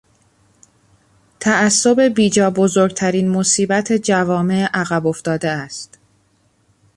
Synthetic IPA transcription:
t̪ʰææsːo̞be̞biːd͡ʒɒːbozoːɾɡ̚t̪ʰæɾiːnmo̞siːbæt̪ʰe̞d͡ʒævɒːme̞ʔæɣæbo̞ft̪ɒːd̪eæst̪

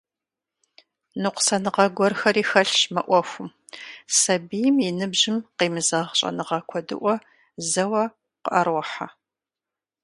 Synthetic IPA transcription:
nɨqʷʊ̥sɐnɨʁɐɡʷɔrxɐriːxɐɬmɐʔʷɔxʷʊm | sɐbijmɪnɨbʒɪmqiːmɨzɐʁɕʼɐ̰nɨʁɐkʷʰɔdɨ̰ʔʷɔ | zɐwɐ | qəʔɐrwɐħa

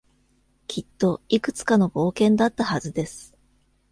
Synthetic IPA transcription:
kʲʰit̪ːo̞ikɯ̟̥t͡sɨ̥kano̞bo̞ːkẽ̞nd̪at̪ːahazɨd̪e̞sɨ̥

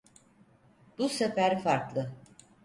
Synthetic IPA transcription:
busefæɾfaɾklˠɯ

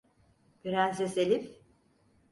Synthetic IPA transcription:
byɾænseselʲip

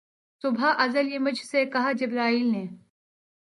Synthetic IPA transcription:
sʊbʱaʔɐzəljemɐd͡ʒʱsekɐɦad͡ʒɪbɾaːiːlneː

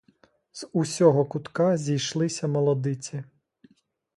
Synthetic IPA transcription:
z̥usʲɔɦɔkʊt̪kɑzʲijʃlˠɪsʲɐmɔlˠɔd̪ɪt͡sʲi

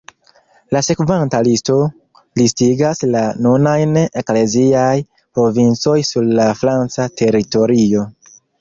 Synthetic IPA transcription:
lase̞kvantalisto̞ | listiɡaslanunajnekle̞ziaj | pɾo̞vint͡so̞jsuɾlafɾant͡satʰe̞ɾito̞ɾio̞

